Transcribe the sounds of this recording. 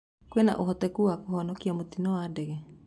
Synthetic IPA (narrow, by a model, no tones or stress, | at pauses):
kwena̰ʔoɦɔt̪ɛkuakoɦɔnɔkiamot̪inɔwadɛɣɛ